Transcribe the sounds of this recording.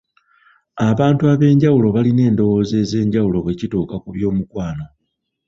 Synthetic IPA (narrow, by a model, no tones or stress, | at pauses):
aβaːntuaβe̞ːɲɟawulo̞βaline̞ːndo̞woːze̞ːze̞ːɲɟawulo̞βwe̞ːcitoːkakuβjo̞ːmukwaːno̞